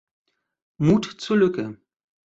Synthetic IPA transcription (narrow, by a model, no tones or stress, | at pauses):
muːtt͡suːɐlʏkə